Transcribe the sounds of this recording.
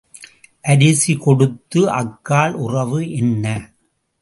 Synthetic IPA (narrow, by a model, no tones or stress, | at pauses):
ʔɐɾɪsikɔɽɯt̪ːɯʔɐkːaːɭʊrɐʋɯʔɛnːɐ